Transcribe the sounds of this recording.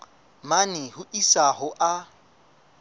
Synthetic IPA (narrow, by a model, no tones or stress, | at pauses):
manɪhʊʔisaɦʊʔa